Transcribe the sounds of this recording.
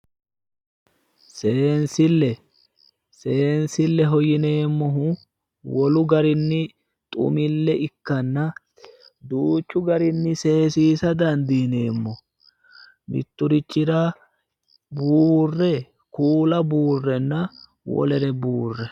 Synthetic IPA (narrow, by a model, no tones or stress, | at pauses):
seːnsɪlːɛ | se̞ːnsɪlːɛɦɔjɪne̞ːmːɔɦʊ | wɔlʊɡɐɾɪnːɪ | t̪ʼʊ̰mɪlːɛʔɪkːɐnːɐ | d̪uːt͡ʃːʊɡɐɾɪnːɪse̞ːsiːsɐd̪ɐnd̪iːne̞ːmːɔ | mɪ̰t̪ːʊɾɪt͡ʃːɪɾɐ | buːrːɛ | kuːlɐbuːrːɛnːɐ | wɔ̰lɛɾɛbuːrːɛ